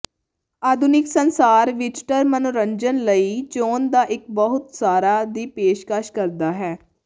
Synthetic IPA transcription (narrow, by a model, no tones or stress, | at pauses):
aːd̪ʱʊnɪksənsaːɾʋɪd͡ʒʈəɾmənʊɾəɲd͡ʒənləiːt͡ʃoːnd̪aːʔɪk̚bəɦʊt̪saːɾaːd̪iːpeːʃkəʃkəɾd̪aːɦɛː